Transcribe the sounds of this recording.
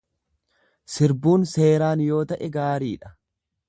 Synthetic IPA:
sɪɾbuːnse̞ːɾaːnjo̞ːt̪ɐʔɛɡaːɾiːᶑɐ̥

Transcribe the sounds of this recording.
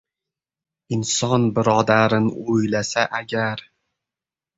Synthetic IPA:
ɪnsɒnbɪɾɒd̪aɾɪnɪojlasaʔaɡʲaɾ

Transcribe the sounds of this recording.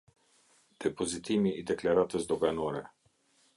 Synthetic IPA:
d̪̥ɛpozit̪imiid̪ɛklaɾat̪əzd̪ɔɡanɔɾɛ

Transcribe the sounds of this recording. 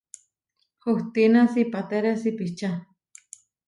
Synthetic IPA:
xuht̪inasipat̪eɾesipit͡ʃa

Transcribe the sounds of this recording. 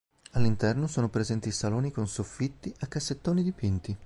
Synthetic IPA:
alːint̪ɛrnosoːnopɾezɛnt̪isaloːnikonsofːit̪ːiʔakːasːet̪ːoːnid̪ipint̪i

